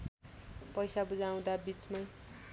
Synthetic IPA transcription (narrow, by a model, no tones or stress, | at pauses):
pʌjsabud͡zaw̃d̪abit͡smaj